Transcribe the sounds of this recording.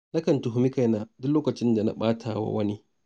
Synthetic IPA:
na˦kɐ˨ntu˨ɦʊ˦mɪ˦ka˨jna˨dʊ˦loː˦kɐ˨t͡ʃɪ˦nda˨na̰˦ɓaː˦tʰa˨wa̰˦wɐ˦ni˦

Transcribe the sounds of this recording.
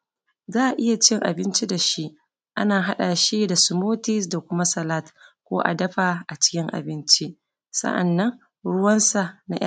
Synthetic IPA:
zaː˦ʔa˨ʔɪ˦ja˨t͡ʃɪ˦ŋʔa̰˨bɪ˦nt͡ʃi˦da˨ʃi˦ʔ | ʔa̰˦naː˨ɦa˦ɗaː˨ʃi˦da˨su˨moː˦ti˦s̬da˨kʷʊ˦ma˦sɐ˨la˦tkʷo̰ː˦ʔa̰˨dɐ˦ɸaː˨ʔa˨t͡ʃɪ̥˦kʲɪ˦ŋʔa̰˨bɪ˦nt͡ʃi˦ʔ | sɐ̰˦ʔa̰˨nːɐ˦ŋ | ɽʊ˦wɐ˦nsa˨na̰˦ʔa˦

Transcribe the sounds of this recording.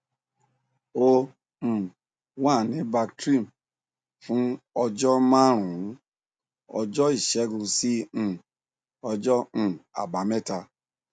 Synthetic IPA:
õ˧˨ | wa˦˨nĩ˨˦ba˧ktɾi˦˨m | fũ˦ɔ˧d͡ʒɔ˦mã˦˨ɾ̃ũ˨˦ | ɔ̰˧d͡ʒɔ˦i˦˨ʃɛ˨˦ɡũ˧sĩ˦˨ | ɔ˧d͡ʒɔ̃˦˨a̰˨ba˨mɛ˦˨ta˧

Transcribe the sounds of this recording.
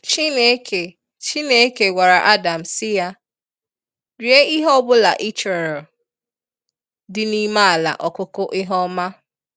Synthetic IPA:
t͡ʃi˦ne˦kʰe˨ | t͡ʃi˦ne˦ke˨ɡʷa˨ɾa˨ʔa˦da˨m̩˨sɪ˦ja˦ | ɾi˨˦e˦i˦ɦɔ˦bʊ˦la̰˨ʔi˦t͡ʃe˨ɾɛ˨l | dɪ˦ni˦ma˦a˨la̰˨ʔɔ˨kʊ˦kʊ˦ʔɪ˦ɦɔ˦ma˦

